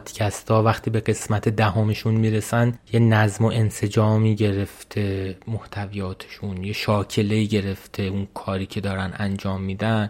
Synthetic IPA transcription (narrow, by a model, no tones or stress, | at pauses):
d̪̥cʰæst̪ʰɒːvæχt̪ʰiːbe̞ɣe̞smæt̪ʰe̞d̪æɦomeʃunmiːɾe̞sænjenæzmo̞ʔe̞nse̞d͡ʒɒːmiːɟe̞ɾe̞ft̪ʰe̞moht̪ʰævijɒːt̪ʰe̥ʃunjeʃɒːcʰe̞le̞iːɟe̞ɾe̞ft̪ʰe̞unkʰɒːɾiːcʰe̞d̪ɒːɾænænd͡ʒɒːmːiːd̪æn